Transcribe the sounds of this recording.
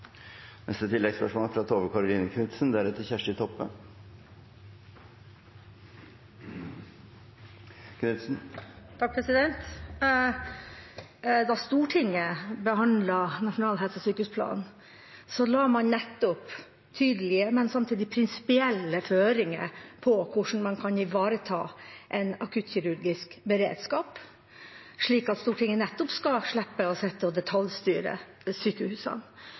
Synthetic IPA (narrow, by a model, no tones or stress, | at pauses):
nɛ̰st̪ət̪ʰɪlːɛɡspœʂmoːləfɾɑt̪ʰoːʋəkʰɑɾʊliːnəkʰnʉt̪snd̪æɾʉt̪ʰəçæʂʈɪt̪ʰɔpːə̰ | kʰnʉt̪sn̩t̪ʰɑk̚pʰɾɛsɪd̪ɛnt̪ | d̪ɑst̪uːʈʰɪŋːəbəɦɑnlɑnɑʂʊnɑːlɦɛlsəsyːkəʉspʰlɑ̰ːn | sɔlɑːmɑnnɛt̪ːɔp | t̪ʰyːd̪əlɪəmɛnsɑmt̪ʰiːd̪ɪpʰɾɪnsɪ̥pɪɛlːəføːɾɪŋə̰ɾpʰɔkʰʊʂn̩mɑnkʰɑnɪʋɑːɾət̪ʰɑ̰ːʔɛɪnɑkʰʉːt̪çʏɾʉɾɡɪskbəɾḛːd̪skɑːp | ʂɭiːkɑt̪st̪uːʈʰɪŋːənɛt̪ːɔpskɑʂɭɛpːəɔsɛt̪ːəɔd̪ɛt̪ʰɑljst̪yːɾə̰ | syːkəhʉːsɑ̰n